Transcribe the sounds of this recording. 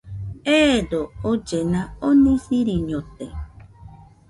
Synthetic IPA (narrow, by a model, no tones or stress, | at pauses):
ed̪ood͡ʒenãonĩsiɾiɲõt̪e